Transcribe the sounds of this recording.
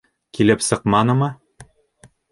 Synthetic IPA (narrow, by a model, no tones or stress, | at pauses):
kilɘpsɤ̆qmɑnɤ̆mɤ